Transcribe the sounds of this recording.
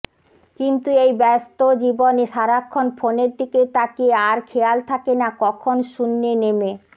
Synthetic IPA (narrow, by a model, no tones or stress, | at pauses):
kint̪uejbɛst̪od͡ʑiboneʃaɾakʰːonfoneɾd̪ʱiket̪akeaɾkʰealt̪ʰakenakɔkʰonʃunːeneme